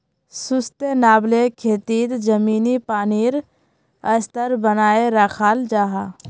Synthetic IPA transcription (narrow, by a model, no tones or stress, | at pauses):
sʊst̪enaːblekʰeːt̪iːt̪d͡ʒəmiːnipaːniːɾ | əst̪əɾbənaːeɾaːkʰaːld͡ʒaːɦaː